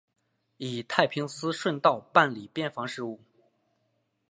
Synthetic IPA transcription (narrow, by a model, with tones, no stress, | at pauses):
i˨˩t̪ʰa˥˩ɪpʰi˧˥ŋsɹ̩˥ʂwə˥˧nt̪ɑ˥˧ʊpa˥˩nli˨˩pjɛ˥˩nfɑ˧˥ŋʂɻ̩˥˧u˥˩